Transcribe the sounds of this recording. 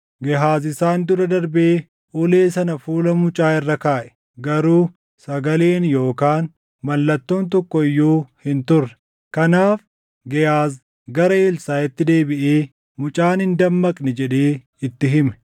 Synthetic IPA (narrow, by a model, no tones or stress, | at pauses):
ɡɛɦaːzɪsaːnd̪ʊɾɐd̪ɐɾbeː | ʔʊle̞ːsɐnɐfuːlɐmʊt͡ʃʼaːɪrːɐkaːʔɛ̥ | ɡɐɾuː | sɐɡɐle̞ːnjo̞ːkaːn | mɐlːɐt̪ːoːnt̪̬ɔkːɔɪjːuːhɪnt̪ʊrːɛ̥ | kɐnaːf | ɡɛhaːz | ɡɐɾɐeːlsaːɛt̪ːɪd̪e̞ːbɪʔeː | mʊt͡ʃʼaːnhɪnd̪ɐmːɐkʼnɛd͡ʒɛᶑeː | ɪt̪ːɪɦɪmɛ̥